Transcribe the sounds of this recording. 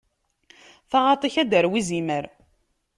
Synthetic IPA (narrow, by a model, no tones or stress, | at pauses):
θaʁɑt̪ˤiçæd̪əɾwiziməɾ